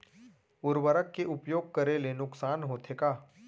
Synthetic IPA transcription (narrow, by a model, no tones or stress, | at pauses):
ʊɾwəɾəkːeʔʊpjoːɡ̚kəɾelenʊksaːnɦoːt̪ʰekaː